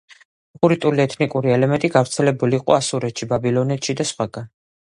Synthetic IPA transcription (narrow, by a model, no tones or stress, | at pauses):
χuɾit̪ʼuliɛt̪ʰnikʼuɾiɛlɛmɛnt̪ʼiɡavɾt̪sʰɛlɛbuliːqʼɔ̰asuɾɛt̪ʃibabilˠɔnɛt̪ʃid̪asχwaɡan